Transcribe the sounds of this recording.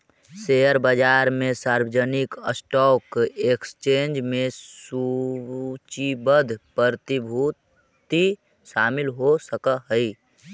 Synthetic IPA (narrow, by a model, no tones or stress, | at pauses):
sejəɾbəd͡ʒaːɾmẽsaːɾwəd͡ʒənɪkəsʈɔːkekst͡ʃeːnd͡ʒmẽsu | t͡ʃibəd̪ʱpəɾt̪ibʱu | t̪i | ʃaːmɪlɦosəkəɦəi